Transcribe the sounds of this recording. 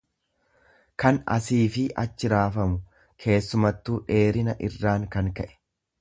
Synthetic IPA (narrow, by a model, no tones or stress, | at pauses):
kɐnɐ̰siːfɪʔɐ̰t͡ʃːɪɾaːfɐmʊ | kʰe̞ːsːʊmɐt̪ːuːᶑe̞ːɾɪnɐʔɪrːaːŋkɐŋkɐʔɛ̥